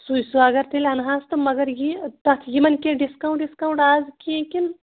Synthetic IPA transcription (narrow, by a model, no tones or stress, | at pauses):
sujsuɐɡɐɾt̪ʰelʲɐnɦaːst̪ɨmɐɡɐɾjit̪ɐt̪ʰjimɐnkʲẽɖiskawũɳʈɖiskawɳʈaːzkʲẽkin